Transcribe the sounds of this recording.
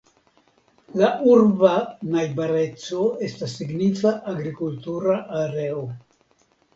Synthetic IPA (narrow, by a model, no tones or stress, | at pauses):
laʔuɾbanajbaɾe̞t͡so̞e̞stasːiɡnifaʔaɡɾikultuɾaʔaɾeo